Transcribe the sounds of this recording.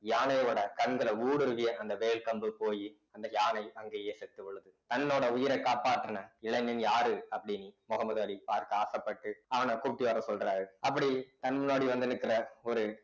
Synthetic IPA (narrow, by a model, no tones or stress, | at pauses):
jaːnɐjoːɽɐkɐnɡɐɭɐuːɽɯɾɯʋɪjɐʔɐnd̪ɐʋeːɭkɐmbɯpoːji | ɐnd̪ɐjaːnɐɪɐŋɡeːjeːsɛt̪ːɯʊɭːɯðɯt̪ɐnːoːɽɐʊjɪɾɐkaːpaːʈːɐnɐɪɭɐnːɪnjaːɾɯɐpːɐɽɪnimɔɣɐmɐðɐːɭipaːɾkɯaːsɐpːɐʈːɯaːnaːkuːp̚ʈːɪʋaːɾɐsɔlɾaːɾɯɐpːɐɽit̪ɐnmʊnːoːɽiʋɐnd̪ɪnɯkːɪɾɐɔɾɯ